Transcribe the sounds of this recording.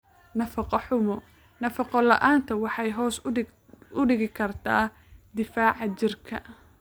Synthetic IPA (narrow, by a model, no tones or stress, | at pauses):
nɐfɑqɔħʊmɔ | nɐfɑqɔlɐ̰ʔaːnt̪ʰɐwɑħɑjɦɔːs | ʊɖɪɣɪkʰɐrt̪ʰaː | d̪ɪfaːʕɑt͡ʃɪrkʰɐ